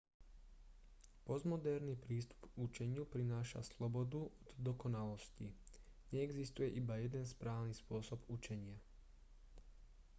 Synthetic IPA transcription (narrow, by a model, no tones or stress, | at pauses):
pɔzmɔd̪ɛɾnipɾiːst̪u̥put͡ʃɛɲɪupɾinaːʃa̰slɔbɔd̪uɔd̪d̪ɔkɔnalɔsciɲɛːɡzist̪ujɛʔibajɛd̪ɛnspɾaːʊnispʊɔsɔbut͡ʃɛɲɪa